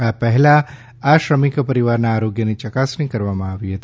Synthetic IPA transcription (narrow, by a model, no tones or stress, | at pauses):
apəɦɛlaː | ʃɾəmikpəɾiʋaɾnaːɾoɡjənit͡ʃəkasnĩkəɾʋamãaʋiɦət̪i